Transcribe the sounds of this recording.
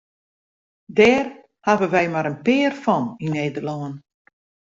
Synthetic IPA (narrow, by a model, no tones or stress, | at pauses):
dɛːr | havəʋɛjmaɾənpɪːərfɔnineːdərlɔən